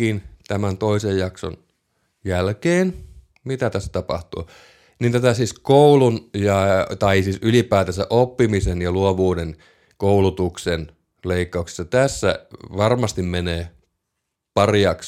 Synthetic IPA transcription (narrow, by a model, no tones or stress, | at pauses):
int̪æmænt̪oisejjɑkso̰n | jælkeːn | mit̪æt̪æsːæ̥t̪ɑpɑ̰ht̪ṵː | nint̪æt̪æsiskoulunjɑt̪ɑisiːsylipæːt̪æsæʔopːimisenjɑluoʋuːden | koulut̪uksen | leikːɑukse̥sːɑt̪æsːæ̰ʋɑrmɑst̪immeneː | pɑrjɑks